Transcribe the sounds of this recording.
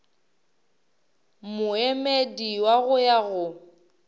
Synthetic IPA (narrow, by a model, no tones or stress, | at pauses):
mʊemediwaɣʊjaɣʊ